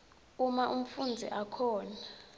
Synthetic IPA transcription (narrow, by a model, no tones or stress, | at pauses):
umaʔum̩fund͡zʱḭʔakʰɔːna